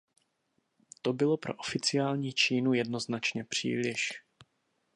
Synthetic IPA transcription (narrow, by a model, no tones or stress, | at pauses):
t̪o̞bɪlo̞pɾo̞̰ʔofɪt͡sɪjaːlɲiːt͡ʃiːnujɛdno̞znat͡ʃɲɛpr̝̥ḭːlɪʃ